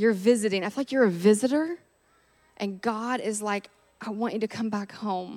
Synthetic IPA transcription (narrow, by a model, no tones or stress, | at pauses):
jə˞vɪzɨɾɪ̃ŋaɪfilaɪkjə˞ɨvɪzɨɾə˞ | ʔɨ̃nɡɑɾɪzlaɪk | ʔaɪwɑ̃nt͡ʃɨɾɨkʰʌ̃mbækhõʊ̃m